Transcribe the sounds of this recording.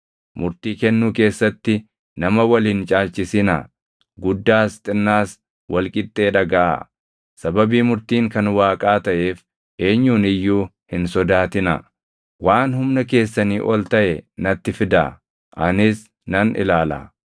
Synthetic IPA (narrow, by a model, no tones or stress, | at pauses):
mʊɾt̪iːkɛnːuːke̞ːsːɐt̪ːɪ | nɐmɐwɐliːnt͡ʃʼaːlt͡ʃɪsɪnɐ̰ | ɡʊd̪ːaːst̪ʼɪnːaːs | wɐlkʼɪt̪ʼːe̞ːᶑɐɡɐʔa̰ | sɐbɐbiːmʊɾt̪iːŋkɐnwaːkʼaːt̪ɐʔe̞ːf | ʔe̞ːɲːuːnɪjːuː | hɪnsɔd̪aːt̪ɪnɐ̰ | waːnɦʊmnɐke̞ːsːɐniːʔɔlt̪ɐʔɛnɐt̪ːɪfɪd̪ɐ | ʔɐnɪs | nɐnɪ̰laːlɐ̰